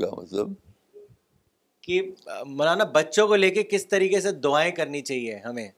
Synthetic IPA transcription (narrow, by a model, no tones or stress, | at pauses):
ɡa̰mɐ̰t̪lə̰b | kimʊlaːnabɐtːʃõkoleːkekɪst̪ɐɾiːkesed̪ʊaːẽkɐɾnit͡ʃaːɦieɦɐmẽː